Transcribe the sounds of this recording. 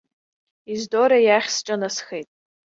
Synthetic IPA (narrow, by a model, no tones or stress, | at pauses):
izdoɾajaχʲsʈ͡ʂʼanasχejtʼ